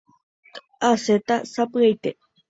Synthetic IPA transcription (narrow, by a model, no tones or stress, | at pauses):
aset̪asapejt̪e